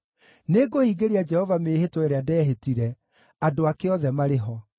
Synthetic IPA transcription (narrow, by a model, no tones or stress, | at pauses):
neɡohiːɡeɾead͡ʒɛhɔvameːhetoeɾeadɛɦetiɾɛ | adoakeɔðɛmaɾeɦɔ